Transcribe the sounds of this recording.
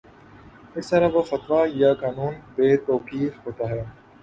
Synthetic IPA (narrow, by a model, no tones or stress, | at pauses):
ɪst̪ɐɾaʋofɐt̪ʋajaːkaːnuːnbeːt̪oːkiːfɦoːt̪aːɦɛː